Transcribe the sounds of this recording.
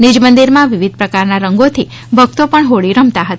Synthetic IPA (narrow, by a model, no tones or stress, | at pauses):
nid͡ʒmənd̪iɾmãʋiʋid̪̚ʱpɾəkaɾnaɾəŋɡot̪ʰi | bʱəɡ̚t̪opəɳɦoɭiɾəmt̪aɦət̪a